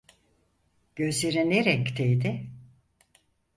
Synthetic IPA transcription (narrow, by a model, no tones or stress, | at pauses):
ɟ̥ø̞zlʲeɾineɾɛct̪ʰejd̪ɪ